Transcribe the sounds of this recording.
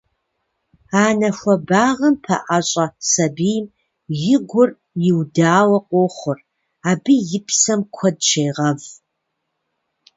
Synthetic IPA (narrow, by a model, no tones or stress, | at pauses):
aːnɐxʷɐbaːʁɐmpʰɐ̰ʔaɕʼɐsɐbiːjm | jɪɡʷʊr | jɪwdaːwɐqʷʼoːχʷʊr | aːbɨjɪpʰsɐmkʷʰɔdʃejʁɐv